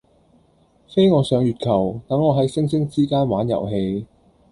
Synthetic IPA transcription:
fe˥jŋɔː˨˧sœː˨˧ŋjyː˨t̚kʰɐ˨˩wt̪ɐ˨˥ŋːɔː˨˧ɦɐ˨˥jsɪ˥ŋsɪ˥ŋt͡siː˥kaː˥nwaː˨˥njɐ̰˨˩wɦe˧j

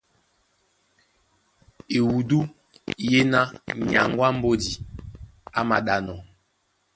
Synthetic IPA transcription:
e˨wu˨du˦ | je˦na˦ɲa̰˨ŋɡwa˦m̩˦bo˦di˨ | a˦ma˨ɗa˨nɔ˨

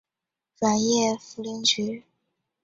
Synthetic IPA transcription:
fa˨˩njɛ˥˩fu˧˥li˧˥nt͡ɕy˧˥

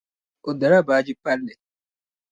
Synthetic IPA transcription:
o˨da˨ɾa˦˨baː˨˦d͡ʒi˦pa˦lːɛ˨

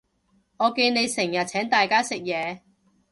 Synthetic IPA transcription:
ŋɔː˨˧ke˧ne˨˧jsɪ˨˩ŋjɐ˨t̚t͡sʰɛː˨˥ŋt̪aː˨jkaː˥sɪ˨k̚jɛː˨˧

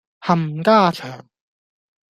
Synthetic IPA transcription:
hɐ˨˩m˨kaː˥t͡ʃʰœː˨˩ŋ

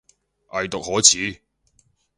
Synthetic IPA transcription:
ʔɐ˨jt̪ʊ˨k̚hɔː˨˥t͡sʰiː˨˥

